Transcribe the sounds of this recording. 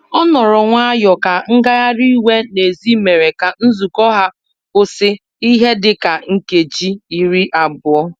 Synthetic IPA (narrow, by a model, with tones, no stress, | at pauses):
ɔ˦nɔ˨ɾɔ˨ŋʷa˦a˦jɔ˨ka˨ŋ̩˦ɡa˦ɣa˦ɾi˦we˦ne˨zi˦me˨ɾe˨ka˨n̩˦zu˨kɔ˦ɦa˦ | kʊ˦sɪ˦ | i˦ɦe˦dɪ˦ka˨ŋ̩˦ke˨d͡ʒi˦i˨ɾi˦ʔa˨bʊ˨ɔ˦